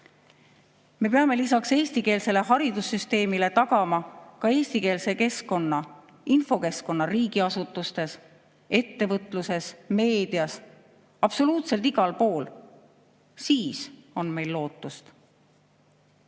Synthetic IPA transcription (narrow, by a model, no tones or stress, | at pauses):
me̞peɑme̞lisɑkse̞ːst̪ike̞ːlse̞le̞ɦɑɾid̪usːyst̪e̞ːmile̞t̪ɑkɑmɑkɑe̞ːsʲt̪ike̞ːlse̞ke̞sko̞nːɑ | info̞ke̞sko̞nːɑɾiːɡiɑsut̪ːˑust̪e̞s | e̞t̪ːe̞vɤt̪ˑluse̞sme̞ːd̪̥iɑs | ɑb̥so̞luːt̪se̞lt̪iɡ̥ɑlpo̞ːl | siːso̞nme̞jlːo̞ːt̪ˑːust̪